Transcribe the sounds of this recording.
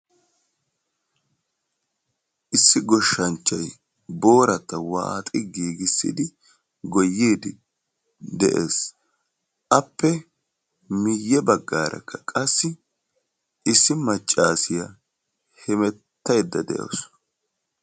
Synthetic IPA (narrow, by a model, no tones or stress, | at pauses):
ʔɪsːɪɡɔʃːɐnt͡ʃːɐj | bo̞ːɾɐt̪ːɐwa̰ːt̪ʼɪɡiːɡɪsːɪ̰d̪ɪ | ɡɔjːeːd̪ɪ | d̪ɛʔeːs | ʔɐpːɛ | mɪjːɛbɐɡːaːɾɛ̰kːɐkʼɐsːɪ | ʔɪsːɪmɐt͡ʃʼːaːsɪjɐ | hɛmɛt̪ːɐjd̪ːɐd̪ɛ̰ʔo̰s